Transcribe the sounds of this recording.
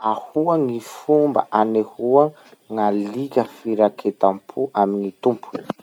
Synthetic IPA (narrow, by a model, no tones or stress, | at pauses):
ahuaŋifumba̰ʔanehuə | ŋalikəfiɾakʰet̪ampʰuʔamiŋit̪umpʰu̥ni̥